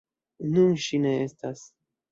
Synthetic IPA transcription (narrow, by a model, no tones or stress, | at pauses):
nunʃine̞estas